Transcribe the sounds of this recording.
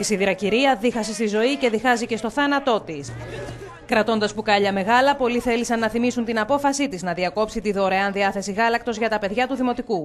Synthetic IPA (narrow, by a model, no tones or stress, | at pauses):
isiðiɾɐciɾiɐðixɐsist̪izo̞ice̞ðixɐzice̞st̪o̞θɐnɐt̪o̞t̪is | kɾɐt̪o̞nd̪ɐspukɐʎɐme̞ɣɐlɐpo̞liθe̞lisɐnːɐθimisunt̪inɐpo̞fɐsit̪iznɐðiɐko̞psit̪iðo̞ɾɐeɐnðiɐθe̞siɣɐlɐk̚t̪o̞zʝɐt̪ɐpe̞ðʝɐt̪uðimo̞t̪iku